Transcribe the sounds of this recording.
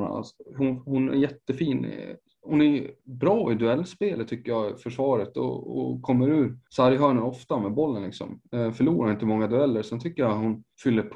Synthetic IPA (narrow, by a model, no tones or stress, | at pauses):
shʊhʊnæ̰ɾjɛt̪ːəfiːn̰ | hʊnæɾbɾɑːɪd̪ɵɛlːspeːlət̪ʰːʏkːəjɑfœʂvɑːɾət̪ɔ̰ɔ̰kʰɔmːəɾʉ̟ːɾsaɾɪɦœːɳəɾɔft̪amɛbɔlːənlɪksɔ̰mfœɭuːɾaɾʊɪnt̪əəmɔŋːad̪ɵɛlːəɾsɛnt̪ʰʏkːəjahʊnfʏlːəɾpʰ